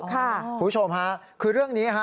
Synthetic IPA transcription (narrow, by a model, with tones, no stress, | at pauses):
kʰa˥˩u˨˩˦o˧mɦa˦˥ | kʰɯː˧ɾɯ˥˩əŋniː˦˥ɦa˦˥